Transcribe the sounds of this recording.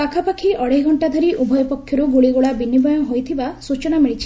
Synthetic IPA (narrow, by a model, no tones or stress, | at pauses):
pakʰapakʰiʔɔɽeɡʱɔɳʈad̪ʱaɾiʔubʱɔjɔpɔkʰːjɔɾuɡuɽiɡoɭabinibɔjɔɦojt̪ʰibasut͡ʃɔnamiɭit͡ʃʰi̥